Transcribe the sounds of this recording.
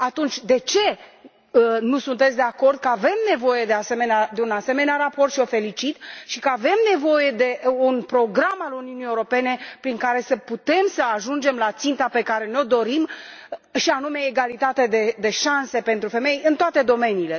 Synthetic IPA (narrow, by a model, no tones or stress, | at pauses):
at̪unt͡ʃʲd̪e̞t͡ʃe̞ | nusunt̪esʲd̪eako̞rd̪̚kəave̞mne̞vo̞je̞d̪e̞ase̞me̞nead̪e̞unase̞me̞neaɾapo̞rt̪ʃio̞fe̞lit͡ʃit̪ʃikəave̞mne̞vo̞je̞d̪e̞unpɾo̞ɡɾamaluniunijeuɾo̞pe̞ne̞pɾiŋkaɾe̞səput̪e̞msəaʒund͡ʒe̞mlat̪sint̪ape̞kaɾe̞neod̪o̞ɾim | ʃianume̞ːɡalit̪at̪ed̪e̞d̪e̞ʃanse̞pe̞nt̪ɾufe̞mejjɨnt̪oat̪e̞d̪o̞me̞nile̞